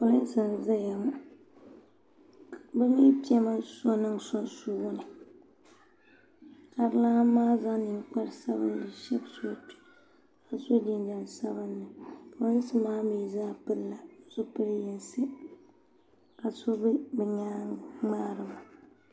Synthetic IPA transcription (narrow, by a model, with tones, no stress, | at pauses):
o˨lɨ˦n˦sɨ˨n˨za˦ja˨mu˦ | bɨ˦mi˦pi˦ɛ˦ma˦so˦nɨ˦ŋso˦nsu˦wʊ˦nɨ˨ | ka˨ɾɨ˦la˦maː˦za˦ni˨ŋk͡pa˦ɾɨ˨sa˦bɨ̰˦n˦dɨ˨ʃɛ˦bso˦˨tu̥˦ | ka˨so˦di˦nda˨n˨sa˦bɨ˦nːɨ˨ka˨wɨ˦n˦sɨ˦maː˦mi˨zaː˦pɨ˦lla˨˦zʊ˦pɨ˦ɾjɛ˦nsɨ˦ | ka˨so˦bɨ˦bɨ˨ɲaː˦ŋ͡maː˦ɾɨ˨ma˨